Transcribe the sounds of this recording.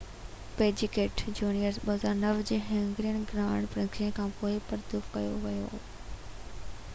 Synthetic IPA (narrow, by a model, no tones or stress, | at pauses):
peːd͡ʑɪkeːʈd͡ʑuːnijəɾzɓɐɦəzaːɾnɐʋd͡ʑeːɦẽŋɡɾijəɽ̃ɡɾaːʋɪɽ̃pɾɐ̃kiə̃kʰãːpoːɪpɐɾd̪ufkɐjoʋɐjo̰